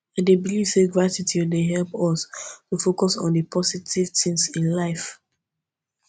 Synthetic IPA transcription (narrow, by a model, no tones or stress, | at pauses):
ãndebilivseɡɹatitʰideɦɛlpɔstufokɔsɔ̰̃ndəpʰɔsitʰiv̥tĩŋsĩnlaɪf